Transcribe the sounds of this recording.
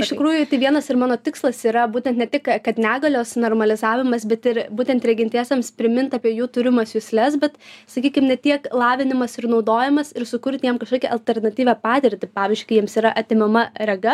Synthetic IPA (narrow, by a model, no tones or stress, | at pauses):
ɪʃt̪ɪkɾuːjʊt̪ɐɪʋʲiɛnɐsɪmɑːnoːt̪ʲɪkslˠɐsiːɾɐbuːt̪ʲɛnt̪nʲɛt̪ʲɪkkɐt̪nʲæːɡɐlʲoːsnoːrmɐlʲɪzɑːʋʲɪmɐsbʲɛt̪ɪɾbuːt̪ʲɛnt̪ɾʲɛɡʲɪnʲt̪ʲæːsʲɛmspʲɾʲɪmʲɪnt̪ɑːpʲiɛjuːt̪ʊɾʲɪmɐsjʊsʲlʲɛs̬bʲɛt̪sɐkʲiːkʲɪmnʲɛt̪ʲiɛklˠɑːʋʲɪnʲɪmɐsɪrnɒʊd̪oːjɪmɐsɪɾsʊkʊɾʲt̪ʲjɛmkɐʃkoːkʲɛʔɐlʲt̪ʲɛɾnɐt̪ʲiːʋʲɛːpɑːt̪ʲɪɾʲt̪ʲɪpɑːʋʲɪzʲd͡ʒʲʉɪkɐɪjiɛmsiːɾɐʔɐt̪ʲɪmʲɛmɐɾʲɛɡɐ